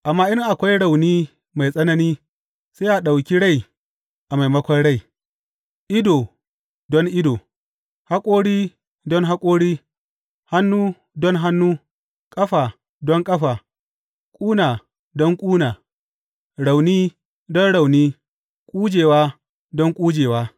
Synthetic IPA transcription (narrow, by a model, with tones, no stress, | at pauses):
ʔa˨mːaː˦ʔɪ˦ŋʔa˨kʷa˦jɽa˨wniː˦ | ma˨jsʼɐ˦nɐ˦niː˦ | sa˦jʔa˨ɗa˨wkʲi˦ɽa˦˨j | ʔa˨ma˨jmɐ˦kʷɔ˦nɽa˦j | ʔɪ˦doː˨ | dɔ˦ŋʔɪ˦doː˨ | ha˦kʷʼoː˦ɽiː˦ | dɔ˦ŋɦa˦kʷʼoː˦ɽiː˦ | ha˦nːuː˦ | dɔ˦ŋɦa˦nːuː˦ | kʼɐ˦ɸaː˨ | dɔ˦ŋkʼɐ˦ɸaː˨ | kʷʼuː˦naː˨ | dɔ˦ŋkʷʼuː˦naː˨ | ɽa˨wniː˦ | dɔ˦nɽa˨wniː˦ | kʼuː˦d͡ʒeː˨waː˦ | dɔ˦ŋkʷʼuː˦d͡ʒeː˨waː˦